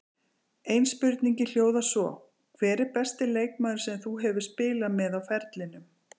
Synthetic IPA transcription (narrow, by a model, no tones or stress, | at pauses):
ejnspʏɾt̪niɲcɪl̥joːwðasvɔ̰ | kʰvɛːɾɪɾpɛst̪ɪleːjk̚maːðʏɾ̥sɛmθuɦɛvɪɾ̥spɪːlamɛðawfɛɾt̪lɪnʏm